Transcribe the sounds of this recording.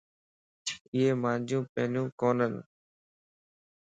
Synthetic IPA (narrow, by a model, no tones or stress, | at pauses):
ɪːeːmãːnd͡ʒũːpeːnũːkoːnən